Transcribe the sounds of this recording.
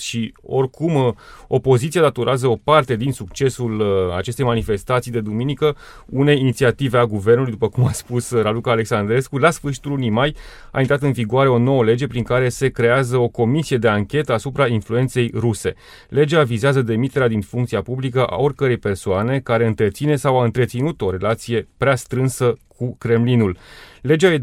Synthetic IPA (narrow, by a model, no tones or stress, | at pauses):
ʃio̞rkumo̞po̞zit̪sied̪at̪oɾeazəo̞part̪e̞d̪insuk̚t͡ʃe̞sula̰t͡ʃe̞st̪e̞jmanife̞st̪at̪sijd̪e̞d̪uminikə | une̞jːnit̪siat̪ive̞aɡuve̞rnulujd̪upəkumaspusɾalukaːle̞ksand̪ɾe̞skulasfɨrʃi̥t̪ulunijmaj | a̰ːint̪ɾat̪ɨnviɡuaɾe̞o̞no̞wəle̞d͡ʒe̞pɾiŋkaɾe̞se̞kɾe̞azəo̞ko̞misije̞d̪e̞aŋkʲe̞t̪əasupɾainflue̞nt̪se̞jɾuse̞̰ | le̞d͡ʒavizeazəd̪e̞mit̪e̞ɾead̪infuŋkt̪siapublikəʔa̰o̞rʲkəɾe̞jpe̞rsoane̞kaɾe̞ɨnt̪ɾe̞t̪sine̞sawaɨnt̪ɾet̪sinut̪o̞ɾe̞lat̪sije̞pɾeast̪ɾɨnsəkʰukɾe̞mlinulle̞d͡ʒae